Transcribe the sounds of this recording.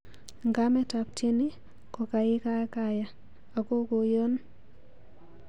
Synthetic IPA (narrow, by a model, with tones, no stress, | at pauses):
ŋɡa˦mɛ˦ta˨p̚te˦ni˦ | ko˨ka˨ɪ˦ka˦ka˦ja˨ | a˨ko˦ko˨jo˦n